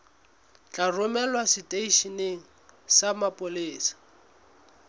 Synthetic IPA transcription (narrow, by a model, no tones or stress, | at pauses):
t͡ɬʼarʊmɛlwasɪtʼeiʃineŋ̩samapʼʊliːsḁ